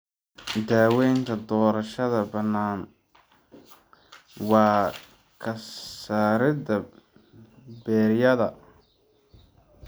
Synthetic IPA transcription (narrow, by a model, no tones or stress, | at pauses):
d̪aːwɛːjŋkʰɐd̪ɔːɾɐʃɐðɐbɐnːaːn | wɑː | kʰɐsaːɾɪd̪ɐ | bɛːɾjɐðɐ